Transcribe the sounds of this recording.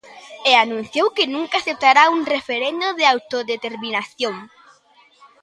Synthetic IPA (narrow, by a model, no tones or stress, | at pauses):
eanũn̟θjowkɪnũŋkaːθep̚t̪aɾauŋrefeɾend̪oðɪawt̪oðet̪eɾminaθjõŋ